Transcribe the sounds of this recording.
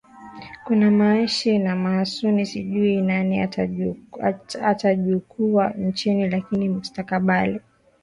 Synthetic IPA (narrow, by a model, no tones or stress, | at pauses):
kunamaiʃinamaːsunisiʄuinania | ataʄukʰuant͡ʃinilakinimustakaɓali